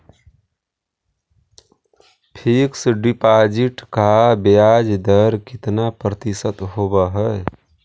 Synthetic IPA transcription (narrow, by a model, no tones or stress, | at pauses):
pʰiksɖipad͡ʒiʈkabad͡ʒd̪əɾkit̪napɾət̪isət̪ɦobəɦəj